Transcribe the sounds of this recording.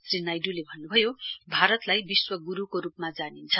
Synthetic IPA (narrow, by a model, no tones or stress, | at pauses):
srinajɖulebʱʌnːubʱʌjobʱaɾʌt̪lajbiswʌɡuɾukoɾupmad͡zanint͡sʰʌ